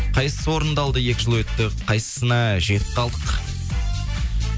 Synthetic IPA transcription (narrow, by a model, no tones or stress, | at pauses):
qʰɑjsəsəwo̞ɾənd̪ɑlˠd̪əje̞kʲɪʒəlˠwɵt̪ːɪqʰɑjsə̥sənɑʒe̞t̪ɪ̥p̚qɑlˠd̪əq